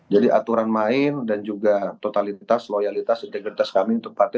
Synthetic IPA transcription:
d͡ʒadiʔa̰t̪uɾanmaɪndand͡ʒuɡat̪ot̪alit̪aslojalit̪asint̪ɛɡɾit̪askamiunt̪ʊk̚pat̪ɛ

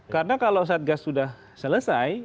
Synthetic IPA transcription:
kaɾənakalows̬aat̪̚ɡasːudah | sələsaj

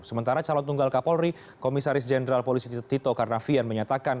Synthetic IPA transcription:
səmənt̪aɾat͡ʃalɔnt̪uŋɡalkapɔlri | komisaɾɪs̬d͡ʒɛnəɾalpolisit̪it̪okaɾənafianməɲat̪akan

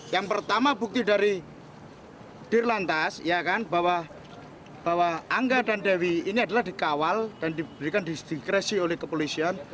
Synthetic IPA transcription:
jaŋpərt̪amabuk̚t̪idaɾi | d̥irlant̪asijakanbawa | b̥awaaŋɡadandawiːniadalahdikawald̥andibəɾikand̪id̥ikɾesiolɛhkəpolisian

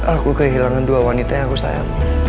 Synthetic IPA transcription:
ʔakukəɦilaŋanduawanit̪aɲaakusa̰ja̰t̪

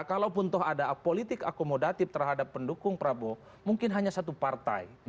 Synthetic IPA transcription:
kalawpʊnt̪ɔɦadapolit̪ɪkakomodat̪ɪft̪ərɦadapːəndukʊŋpəɾabo | muŋkɪnɦaɲasat̪̬upart̪a̰i

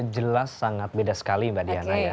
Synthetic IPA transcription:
d͡ʒəlasːaŋat̪̚bedasə̥kalimbadianaja

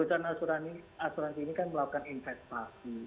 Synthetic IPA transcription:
ut͡ʃanasuɾaniasuɾansinikanməlaukaninfɛst̪asi

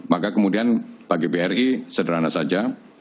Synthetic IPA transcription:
makakəmudianbaɡibeɛrisədəɾanasad͡ʒa

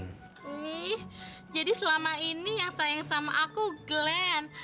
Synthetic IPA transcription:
ih | d͡ʒadisəlamainijaŋsajaŋsamaʔakuɡlɛn

